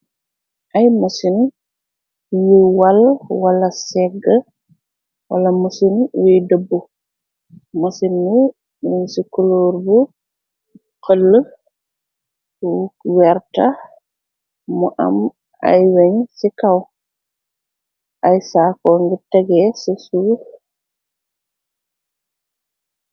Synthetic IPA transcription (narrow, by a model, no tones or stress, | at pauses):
ʔajmasin | juwalwalasɛɡa | wa̰lamasinwɛjdəbːu | masinːu | minsikɔloɾbu | kəlːə | wɛɾta | mɔʔa̰m | a̰jwaɲsikaw | ʔajsakɔŋɡɛtaɡɛsisu